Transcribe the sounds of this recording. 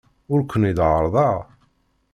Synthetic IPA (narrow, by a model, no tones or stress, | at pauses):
ʊɾkʷːənid̪ʕəɾˤðˤɑ